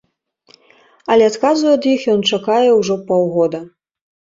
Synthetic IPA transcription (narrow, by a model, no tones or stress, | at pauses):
ɐlʲɛat̪kazujɐd̪jixjɔnt͡ʂakajɛwʐɔpɔwɣɔd̪ɐ